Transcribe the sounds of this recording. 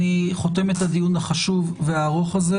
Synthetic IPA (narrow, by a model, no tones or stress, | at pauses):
iχo̞te̞me̞tad̪ijunaχaʃuvveaːʁo̞χaze